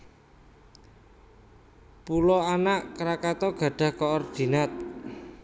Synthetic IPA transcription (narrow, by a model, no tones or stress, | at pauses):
pulɔanaʔkəɾakat̪ɔɡ̥ä̤ɖ̥a̤hkɔɔrd̪̥inat̪̚